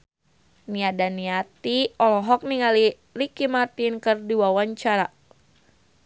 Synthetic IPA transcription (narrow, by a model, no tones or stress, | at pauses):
niadaniat̪iɔlɔɦɔk̚niŋali | rikimart̪inkərdiwawaɲt͡ʃaɾa